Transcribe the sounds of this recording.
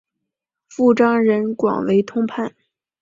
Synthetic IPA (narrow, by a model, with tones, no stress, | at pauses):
fu˥˩ʈ͡ʂɑ˥ŋɻə˧˥nkwɑ̰˨˩ŋwe˧˥ɪt̪ʰʊ˥ŋpʰa˥˩n